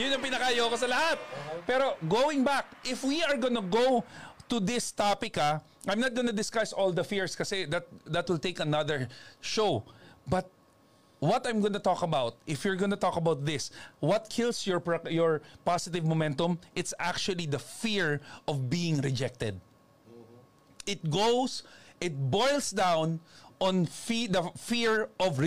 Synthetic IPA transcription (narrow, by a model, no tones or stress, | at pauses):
jʊnːɐ̃ŋpɪnɐkɐɐjoːkosɐlɐhat̪̚pɛɾoɡowɪ̃ŋbak̚ʔɪfwiɐɹɡonɐɡowt̪ʊd̪ɪst̪apɪkːa | ʔãjmnɐt̪̚ɡonɐd̪ɪskasɔld̪ɐfiɹskɐsɛd̪ɐt̪̚d̪ɐt̪̚wɪlt̪eɪkɐnɐðəɹʃowbɐt̪̚ | wɐt̪ɐ̃jmɡonɐt̪ɔkɐbawt̪̚ʔɪfjʊɹɡonɐt̪ɔkɐbawt̪̚ðɪswʌt̪̚kʰɪlsjɔɹpjɔɹpasɪt̪ɪvmomɛ̃nt̪ɔ̃mʔɪt̪sak̚t͡ʃʊwɐlid̪ɐfiɹʔɔvbiːɪ̃ŋɾɪd͡ʒɛk̚t̪ɛd̪̚ | ɪt̪̚ɡosʔɪt̪̚bɔjlˠsd̪ãwnʔɔ̃nfd̪ɐfiɹʔɔvɹ